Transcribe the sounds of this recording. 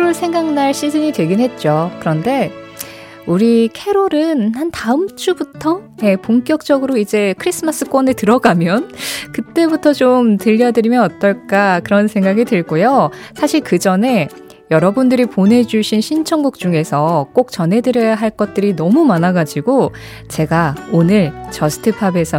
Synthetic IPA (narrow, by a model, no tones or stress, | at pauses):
ɾoɭsʰe̞ŋɡaŋnaɭɕ͈ʰid͡ʑɯɲitwe̞ɡinɦe̞t̚t͡ɕ͈okɯɾʌnde̞ | uɾikʰe̞ɾoɾɯnhantaɯmt͡ɕ͈ʰubutʰʌje̞poŋk͈jʌk̚t͡ɕ͈ʌɡɯɾoid͡ʑe̞kʰɯɾis͈ʰɯmas͈ɯk͈wʌnetɯɾʌɡamjʌnkɯt͈e̞butʰʌt͡ɕomtɯʎːʌdɯɾimjʌnʌt͈ʌɭk͈akɯɾʌnsʰe̞ŋɡaɡitɯɭɡojosʰaɕʰiɭkɯd͡ʑʌne̞ | jʌɾʌbundɯɾiponɦe̞d͡ʑuɕʰinɕʰint͡ɕʰʌŋɡuk̚t͡ɕ͈uŋe̞sʰʌk͈ok̚t͡ɕʌnɦe̞dɯɾjʌjaɦaɭk͈ʌt̚t͈ɯɾinʌmumanaɡad͡ʑiɡo | t͡ɕe̞ɡaonɯɭt͡ɕʌsʰɯ̥tʰɯpʰabe̞sʰʌ